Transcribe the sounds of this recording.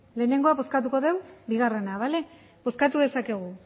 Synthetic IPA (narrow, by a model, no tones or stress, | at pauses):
le̞ːne̞ŋɡo̞aβo̞skat̪̬uko̞ðe̞wbiɣ̞are̞naβale̞ | bo̞skat̪uðe̞sake̞ɣ̞u